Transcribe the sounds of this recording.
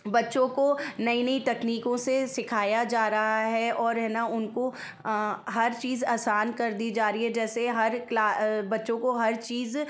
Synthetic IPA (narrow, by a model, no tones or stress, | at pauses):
bɐtːʃõkonɐinɐit̪ɛkniːkõsesɪkʰaːjad͡ʒaːɾɐɦaɦɛʔɔːɾɦɛːnaʊnko | ɦɐɾt͡ʃiːzaːsaːnkɐɾd̪iːd͡ʒaːɾiɦɛd͡ʒɛːseɦɐɾklaːbɐtːʃõkoɦɐɾt͡ʃiːz